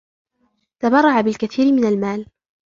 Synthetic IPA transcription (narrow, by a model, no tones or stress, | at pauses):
t̪abɑrˤːɑʕabɪlkaθiːɾɪmɪnalmaːl